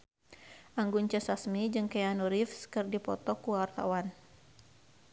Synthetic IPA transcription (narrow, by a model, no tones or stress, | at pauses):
ʔaŋɡuɲt͡ʃəsasmid͡ʒɨŋkɛanuɾifskɨrdipɔ̰t̪ɔkuaart̪a̰wan